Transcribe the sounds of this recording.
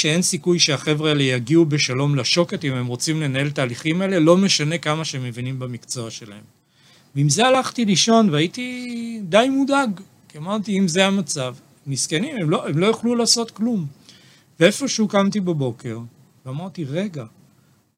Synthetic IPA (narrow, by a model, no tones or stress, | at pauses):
ʃee̞nsikujʃeaχe̞vʁeelejaɡiube̞ʃalo̞mlaʃo̞ke̞t̪imemʁo̞t͡simle̞nae̞lt̪aːliχimaele̞lo̞me̞ʃane̞kamaʃeemːevinimbamikt͡so̞aʃe̞la̰he̞m | vimzealaχt̪iliʃo̞nveait̪id̪ajmud̪aɡ | kiamaʁt̪iimzeamat͡sav | niskenime̞mloʔemlo̞joχlulaːso̞t̪klum | vee̞fo̞ʃukamt̪ibabo̞ke̞ʁ | veamaʁt̪iʁe̞ɡa